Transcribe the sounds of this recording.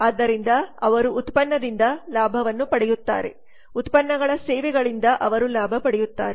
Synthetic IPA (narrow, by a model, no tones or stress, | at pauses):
aːd̪ːɐɾind̪ɐɐʋɐɾuːt̪pɐnːɐd̪ind̪ɐlaːbʱɐʋɐnːupɐɽɛjut̪ːa̰ːɾe̞̰ | ut̪pɐnːɐɡɐɭɐsɛːʋɛɡɐɭind̪ɐʔɐʋɐɾulaːbʱɐpɐɽɛjut̪ːaːɾe